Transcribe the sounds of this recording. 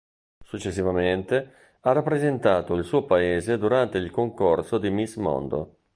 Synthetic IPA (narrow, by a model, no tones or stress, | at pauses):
sut͡ʃːesːivament̪e | arːapːɾezent̪aːt̪oilsuːopaeːzed̪uɾant̪eilkoŋkorsod̪imismɔ̰nd̪o̰